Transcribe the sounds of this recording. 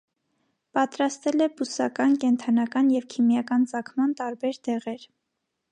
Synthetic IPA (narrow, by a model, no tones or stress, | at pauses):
pɑt̪ɾɑst̪ɛlɛbusɑkɑnkɛnt̪ʰɑnɑkɑnjɛvkʰimjɑkɑnt͡sɑkʰmɑnt̪ɑɾbɛɾd̪ɛʁɛɾ